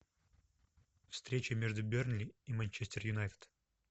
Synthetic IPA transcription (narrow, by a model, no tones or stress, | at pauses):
fst̪ɾʲet͡ɕəmʲe̞ʐd̪ʊbʲernlʲɪimɐnʲt͡ɕesʲt̪ʲərjʊnajt̪ə̥t̪